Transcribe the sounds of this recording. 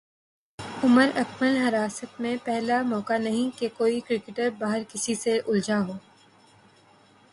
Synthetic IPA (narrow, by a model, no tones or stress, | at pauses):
ʊməɾɐkməlɦɐɾaːsət̪mẽpɛɦlamɔːkanɐɦĩkekoːikɾɪkɪʈəɾbaːɦəɾkɪsiseʔʊld͡ʒaɦoː